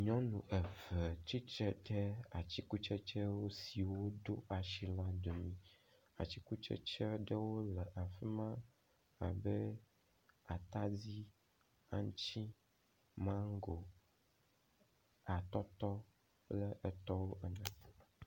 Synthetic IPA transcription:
ɲɔ̃˦nũ˨ʔɛ˨vɛ˨t͡ɕi˦t͡ʃɛ˦t̪ɛ˦a˨t͡ɕi˦ku˦t͡ʃɛ˦t͡ʃɛ˦wo˦si˨wo˦do˦ʔa˨ʃi˦la˦d̪o˨mĩ˦ | a̰˨t͡ɕi˦ku˦t͡ʃɛ̰˦t͡ʃɛ˦ɖə˦wo˦lɛ˨ʔa˨fi˦mã˦ | a̰˨bɛ˦ | a˨t̪a˦d͡zi˦ | a̰˦ŋ˦t͡ɕi˦ | mã˦ŋ˦ɡo˨ | a˨t̪ɔ˦t̪ɔ˦ | lɛ˦˨ʔɛ˨t̪ɔ˦wo˦ʔɛ˨nã˨˦˨

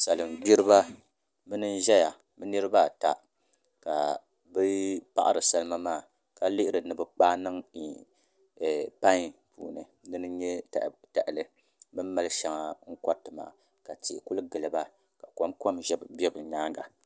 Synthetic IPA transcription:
sa˨lɨ˨m˨bi˦ɾɨ˦βa˦ | bɨ˦nɨ˦n˦ʒɛ˦ja˨ | bɨ˦nɨ˦ɾɨ˦ba˦˨ta̰˨ | ka˨ | bɨ˦pa̰˦ʔa̰˦ɾɨ˨sa˦lɨ˦ma˦maː˦˨ | ka˦lɪ˦ʔɪ˦ɾɨ˨nɨ˨bɨ˨k͡paː˦nɨ˦ŋ˨ | pa˦ɲ˨pʰṵː˨nɨ̰˨ | nɨ˦nɨ˦ɲɛ˦˨ta˨ʔɪ˨lɨ˨ | bɨ˦m˦ma˦lɨ˦ʃa˨ŋa˨ŋ̩˦kɔ˦tːɨ˨ma̰ː˨ | ka˨ti˨ʔku˦lɡɨ˨lɨ˨ba˦ | ka˨ko˦mko˦mʒɛ˦bbɛ˦bɨ˨ɲaː˦ŋɡa̰˨

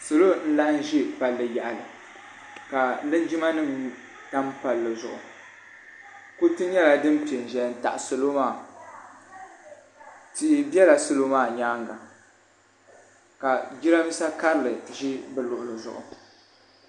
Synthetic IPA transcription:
so˨lo˦n̩˦la˦n˦ʒi˦pa˨lːɨ˨ja˨ʔa˨lɨ˨ | ka˨lɨ˦nd͡ʒi˦ma˦nɨ˦ŋ | ta˦mpa˨lːɨ˨zʊ˨ʔʊ˨ | ko˦tɨ˦ɲɛ˦la˨dɨ˦m˦pi˨e˨n˨ʒɛ˨n̩˦˨ta̰˨ʔso˨lo˦maː˦˨ | ti˨ʔbɛ˦la˨so˨lo˦maː˦˨ɲaː˦ŋɡa˨ | ka˨d͡ʒi˦ɾa˦mi˦sa˦ka˦ɾɨ˦˨lɨ˨ʒi˦bɨ˦lʊ˨ʔʊ˨lɨ˨zʊ̰˨ʔʊ̰˨

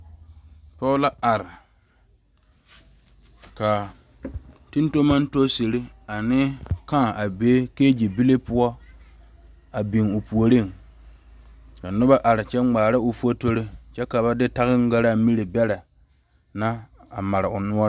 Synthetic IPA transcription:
pɔ˦la˦a˨ɾɪ˨ | ka˨ | tu˦n˦to˦ma˦n˦to˦se˨ɾe˦a˨nɪ˦ka˦˨a˨beː˦keː˦d͡ʒi˨bi˦le˦pʊ˦ɔ˦ | a˨bi˨ŋʊ˨pu˨o˨ɾe˦˨ŋ | ka˨nʊ˦ba˦ʔa˨ɾɪ˨t͡ʃɛ˦ŋ͡maː˨ɾa˦ʊ˨fu˦o˦to˦ɾe˦t͡ʃɛ˦ka˨ba˦dɪ˦ta˦ɣɪ˦ŋ˦ɡa˦ɾa˦mi˦ɾe˨bɛ˦la˨ | na˦a˨ma˨ɾɪ˨ʊ˨nʊ˦ɔ˦ɾ

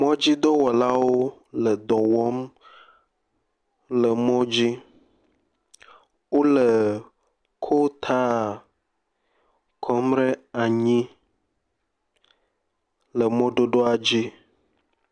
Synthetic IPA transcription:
mɔ̃˦d͡ʑi˦d̪ɔ˦wɔ˨la˦wo˦ | lə˨d̪ɔ˨wɔ˦m | lə˨mɔ̃˦d͡ʑi˦ | wo˦lə˨ | kʰo˦t̪ʰa˦˨ | kʰɔ˨mɾe˦a˨ɲĩ˦ | lə˨mɔ̃˦ɖo˦ɖo˦a˨d͡ʑi˦

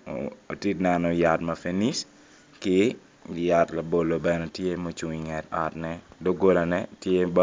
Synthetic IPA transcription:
o˨ti˦tnɛ˨nɔ˨ja˨tma˨feni˦s | kɪ | jatla˨bo˨lo˨bɛ˨nɛ˦tje˦mo˦t͡ʃu˨ŋiŋɛ˨ta˨tnɛdo˦ɡo˦la˨nɛtje˦ba˦

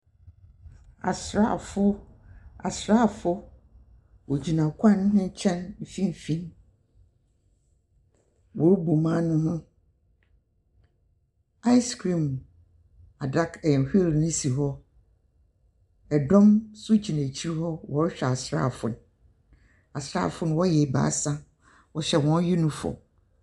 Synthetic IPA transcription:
a̰˨sɾa̰˦˨fʊ˦ | a̰˨sɾa˦˨fʊ˦ | wɔ˨d͡ʑi˨nã˨kʷʰã˦n˦nʊ̃˦t͡ɕʰɛ̃˦nm̩˨fĩ˦m˨fĩ˦n | wʔɔ˨ɾbu˨mã˦nʊ̃˦hʊ̃˦ | a˦ɪ˦skʰɾĩ˨m | a˨da˦kʰɛ̃˨n˨hi˦lnɪ̃˦si˨ɦɔ˦ | ɛ˨dɔ̃˦msʊ˦d͡ʑi˨næ̃˨t͡ɕʰi˦ɾhɔ˦wɔ˨˦ɾɕᶣɛ˨a˨sɾa̰˦˨fʊ̰̃˨n | a˨sɾa̰˦˨fʊ̃˦n˦wɔ˦jɛ˨ba̰˨˦sã˦ | wɔ˨ɕɛ˨wɔ̃˦n˦ju˦nĩ˨fɔ̰˨m

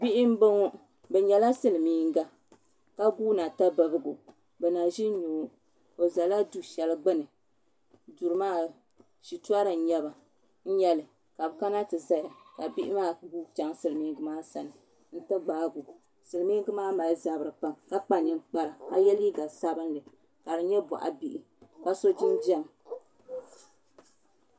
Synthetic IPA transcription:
bi˦ʔɪ˦m˦bo˦ŋɔ˦ | bɛ˨ɲɛ˨la˦sɨ˦lɨ˨miː˦ŋ˦ɡa˨ | ka˦ɡuː˦na˨ta˦bɨ˨bɨ˦ɡu˨ | bɛ˨na˨ʒi˦ɲoː˨˦ | o˨za˨la˦du˦ʃɛ˨lɨ˦ɡ͡bɨ˦nɨ˨ | du˨ɾɨ˦maː˦ | ʃi˨tu˦a˦ɾɨ˨n̩˨ɲɛ˦ba˨ | n̩˦ɲɛ˦lɨ˨ | ka˨bɨ˨ka˦na˦tɨ˨za˦ja˨ka˨bi˦ʔɪ˦maː˦buː˦t͡ʃa˦ŋsɨ˨lɨ˨miː˦ŋɡɨ˦maː˦sa˨nɨ˨ | n̩˦tɨ˦ɡ͡baː˨˦ɡu˨ | sɨ˨lɨ˨mi˦ɡɨ˦maː˦ma˨lza˨bɨ˨ɾɨ˨k͡pa˦˨mka˦k͡pa˨ɲɨ˨nk͡pa˨ɾa˨ka˨jɛ˦li˦ɡa˨sa˦bɨ˦nlɨ˨ | ka˨dɨ˨ɲɛ˦bɔ̰˨ʔa̰˨bi˨ʔi˨ | ka˨so˦d͡ʒi˦nd͡ʒa˦˨m

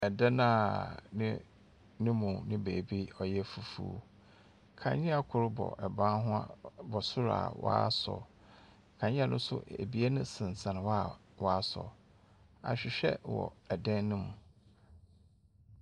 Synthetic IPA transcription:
ɛ˨dɛ̃˦nã˦nɪ̃˦ | nʊ̃˦mũ˨nɪ̃˦beː˨bi˦ɔ˨jɛ˦fu˨fṵː˦ | kʰã̰˨ɲɪ̃˦a˨kʰʊ˨ɾʊ˦bɔ̰˨ʔɛ˨bã˦nɦʊ̃˦a̰˦bɔ˨sʊ˦ɾa̰˨wʔa̰˦sɔ̰˨ | kʰã˨ɲɪ̃˦a˨nʊ̃˦sʊ̰˦ḛ˨bi˦a˦nʊ̃˦sɪ̃˨n˨sã˨ñ˨wa˦˨ | wɔ˦sɔ̰˨ | a̰˨ɕᶣɪ˨ɕᶣɛ˦wɔ̰˨ɛ˨dɛ̃˦nnɪ̃˦mũ˨

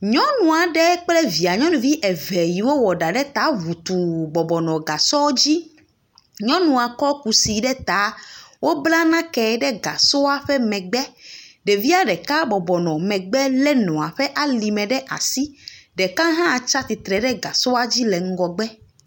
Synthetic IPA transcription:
ɲɔ̃˦nũ˨a˨ɖɛ˦k͡plɛ˦vi˨a˨ɲɔ̃˦nũ˨vi˦ʔɛ˨vɛ˨ji˨wo˦wɔ˨ɖa˨ɖɛ˦t̪a˨˦vu˨t̪u˨bɔ˨bɔ˨nɔ̃˨ɡa˨sɔ˦d͡ʑi˦ | ɲɔ̃˦nũ˨a˨kɔ˦ku˨si˨ɖɛ˦t̪a˨˦wo˦bla˦nã˦kɛ˨ɖɛ˦ɡa̰˨so˦a˦ɸɛ˦mɛ̃˨ɡ͡bɛ˦ɖɛ˨vi˦a˦ɖɛ˨ka˦bɔ˨bɔ˨nɔ̃˨mɛ̃˨ɡ͡bɛ˦lɛ˦nɔ̃˨a˨ɸɛ˦ʔa˦li˨mɛ̃˨ɖɛ˦ʔa̰˨si˦ɖɛ˨kã˦ɦã˦˨t͡ʃa˦t̪i˨t̪ɾɛ˨ɖɛ˦ɡa˨so˦a˦d͡ʑi˦lɛ˨ŋ̩˦ɡɔ˨ɡ͡bɛ˦

